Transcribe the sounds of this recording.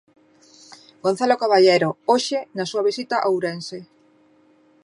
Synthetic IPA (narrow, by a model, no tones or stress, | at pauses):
ɡon̟θalokaβaʎejɾooʃɪnasuaβ̞isit̪aʔawɾense